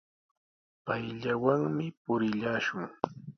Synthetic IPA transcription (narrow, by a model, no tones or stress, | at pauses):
pajʎawaŋmɪpʊɾɪʎaːʃʊŋ